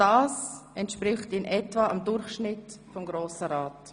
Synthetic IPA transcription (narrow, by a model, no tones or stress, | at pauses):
d̥aːsʔɛntʃpɾɪχtiːnʔɛtvaʔamdʊɾχʃnɪtfɔmɡɾoːsəɾaːt